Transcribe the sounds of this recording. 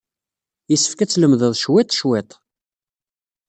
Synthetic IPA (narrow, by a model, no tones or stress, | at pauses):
jəsːə̥fkæt͡sːləmðəðˤʃwɪt̪ˤʃwet̪ˤ